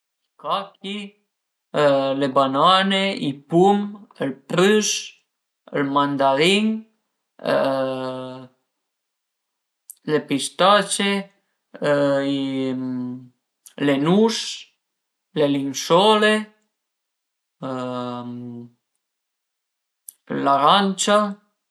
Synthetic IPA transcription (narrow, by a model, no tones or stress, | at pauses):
ikaki | lebananeipuməlpɾys | əlmand̪aɾiŋ | ə̰ | lepist̪at͡ʃe | im | lenus | lelinsɔle | laɾant͡ʃa